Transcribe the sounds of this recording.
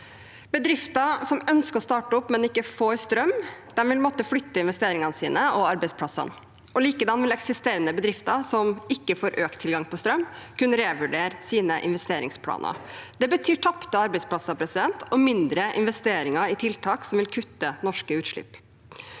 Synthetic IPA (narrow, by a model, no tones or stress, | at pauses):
b̥əd̪ɾɪft̪ɑsɔmœnskəɾɔst̪ɑːʈəʊpːmɛnɪkːəfoːɾst̪ɾœmd̪̥ɛnʋɪlmɔt̪ːəflʏt̪ːəɪnʋɛst̪eːɾɪŋɑnəsiːnəɔɑɾbɛɪspʰlɑsɑ̰n | ʔɔliːkəd̪ɑnːʋɪlɛksɪst̪eːɾənəbəd̪ɾɪft̪ɑsɔmɪkːəfoːɾʔøːkt̪ʰɪlɡɑŋpʰɔst̪ɾœmkʉnəɾeːʋʉɖeːɾsiːnəʔɪ̰nʋɛst̪eːɾɪ̰ŋspʰlɑ̰ːnə̰d̪̥ɛbət̪ʰyːʈʰɑpt̪əɑɾbɛɪspʰlɑsɑpʰɾɛsɪd̪ɛnt̪ʰɔmɪnd̪ɾəʔɪ̰nʋɛst̪eːɾɪŋɑɪt̪ʰɪlt̪ʰɑːksɔmʋɪlkʰʉt̪ːənɔʂkəʉːt̪ʂɭɪ̰pː